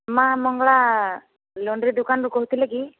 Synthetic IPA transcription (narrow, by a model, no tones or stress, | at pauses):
mãmɔŋɡɭa | lɔɳɖɾid̪ukanɾukɔɦut̪ʰileki